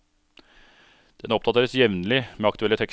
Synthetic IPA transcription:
d̪̥ɛnɔp̚d̪ɑt̪ʰeːɾəsjɛʋnəlɪmeːɑkt̪ʉɛlːət̪ʰɛk

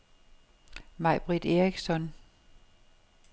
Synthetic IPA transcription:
mɑ̈ɪb̥ʁid̥e̝ʁiɡ̥sɒ̽n

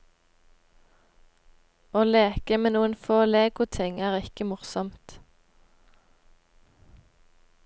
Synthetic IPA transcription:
oːleːkəmeːnuːənfoːleːɡʊt̪ʰɪŋæːʁɪkəmʊʁsɔmt̪

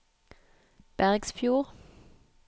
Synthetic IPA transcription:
b̥æʁɡsfjuːʁ

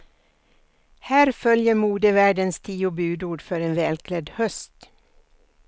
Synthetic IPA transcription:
hæːɾfœljəmuːd̪əʋæɖənst̪ʰiːʊbʉːd̪uːɖfœɾeːnʋɛːlkʰlɛd̪hœst̪

